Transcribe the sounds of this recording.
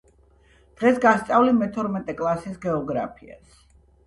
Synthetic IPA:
d̪̥ʁɛsɡast̪sʼavlimɛt̪ʰɔɾmɛt̪ʼɛkʼlˠasisɡɛɔɡɾa̰pʰia̰s

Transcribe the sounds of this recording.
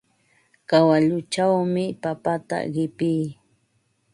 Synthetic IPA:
kawaʎʊt͡ʃawmɪpapat̪a̰ɢɪpijː

